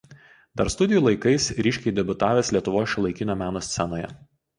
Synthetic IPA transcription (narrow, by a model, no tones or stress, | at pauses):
d̪ɐɾst̪ʊd̪ʲɪjuːlˠɐɪkɐɪsɾʲiːʃʲkʲɛɪd̪ʲɛbʲʊt̪ɑːʋʲeːsʲlʲiɛt̪ʊʋoːsʲʃʲɪlˠɐɪkʲɪnʲoːmʲæːnoːsʲsʲɛnoːjɛ̰